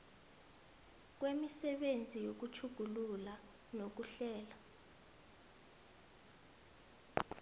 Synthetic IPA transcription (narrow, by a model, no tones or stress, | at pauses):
k̬wemisɛɓend͡zʱijok̬ut͡ʃʰuɡ̥ʱulula | nok̬uɬɛːla